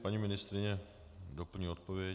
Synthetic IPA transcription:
paɲimɪnɪst̪ɾɪɲɛ | dopl̩ɲiːot̪̚povɪjɛ

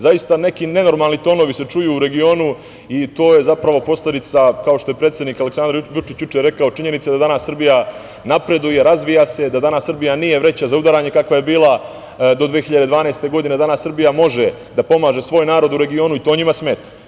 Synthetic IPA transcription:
zajist̪ane̞kine̞no̞ɾmalˠnit̪o̞ːno̞ʋise̞t͡ʂujuːuɾe̞ɡio̞ːnu | it̪o̞ːje̞zapɾaʋo̞po̞sle̞d̪it̪sakao̞ʃt̪o̞je̞pɾe̞t̪sjed̪niːkale̞ksand̪ɾʋut͡ʃit͡ɕjut͡ʃeɾe̞kao̞t͡ʃiɲe̞nit̪sed̪ad̪anasːr̩bija | napɾe̞d̪uje̞ɾazʋijase̞d̪ad̪anasrbijanije̞ʋɾe̞t͡ɕazaud̪aɾaːɲe̞kakʋaje̞biːlˠa | d̪o̞d̪ʋexiʎad̪ed̪ʋaːnejst̪e̞ɡo̞d̪ine̞d̪anasːr̩bijamo̞ʒe | d̪apo̞maːʒe̞sʋo̞ːjnaːɾo̞d̪uɾe̞ɡio̞ːnuit̪o̞ːɲimasme̞ːt̪ḁ

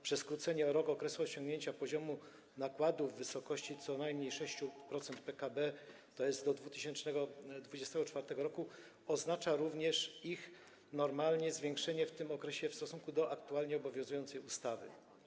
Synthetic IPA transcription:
pʂɛskɾut̪sɛɲɛɾɔkɔkɾɛsuɔɕɔ̃ŋɡɲeɲt͡ɕapɔʑɔmu | nakwad̪uvːɘsɔkɔɕt͡ɕit̪sɔnajmɲejʂɛɕt͡ɕupɾɔt̪sɛnt̪pɛkabɛ | t̪ɔjɛzt̪d̪ɔd̪vut̪ɘɕɛnt͡ʂnɛɡɔd̪vud͡ʑɛst̪ɛɡɔt͡ʂfaɾt̪ɛɡɔɾɔku | ɔznat͡ʂaɾuvɲɛʂix | nɔɾmalɲɛzvʲjeŋkʂɛɲɛft̪ɘmɔkɾɛɕɛfst̪ɔsũŋkud̪ɔʔakt̪ualɲɛɔbɔvʲjɔ̃zujɔnt̪sɛjust̪avɘ̰

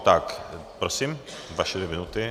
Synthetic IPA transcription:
t̪akpɾɔsimvaʃɛd̪ʲɛminut̪ɪ

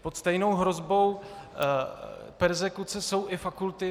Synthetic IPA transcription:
pot̪st̪ɛjno̞wɦɾo̞zbo̞w | pɛɾzɛkut͡sɛso̞wʔɪfakult̪ɪ

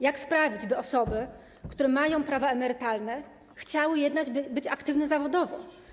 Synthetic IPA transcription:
jakspɾavʲid͡ʑbɘɔsɔbɘ | kt̪uɾɛmajɔ̃w̃pɾavaɛmɛɾɘt̪alnɛ | xt͡ɕawɘjɛd̪nad͡ʑbbɘt͡ɕakt̪ɘvnɛzavɔd̪ɔvɔ̃w̃

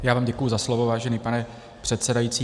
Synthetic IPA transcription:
jaːvaːmɟɛkujuzaslovovaːʒɛniːpanɛ | pr̝̥ɛt̪sɛdajit͡siː

